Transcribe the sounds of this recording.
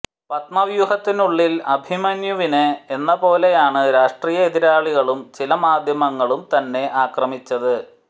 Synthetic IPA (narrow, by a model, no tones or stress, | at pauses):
pɐt̪̚mɐʋjuhɐt̪ːinuɭːilɐbʱimɐnjuʋinɨenːɐpo̞ːle̞jaːɳɨɾaːʂʈriːjɐeðiɾaːɭiɣɐɭumt͡ɕilɐmaːd̪ʱjɐmɐŋːɐɭumt̪ɐnːe̞ʔaːkrɐmit͡ɕːɐðɨ